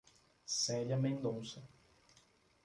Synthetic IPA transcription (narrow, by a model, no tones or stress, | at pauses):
sɛʎɐmẽnd̪õsɐ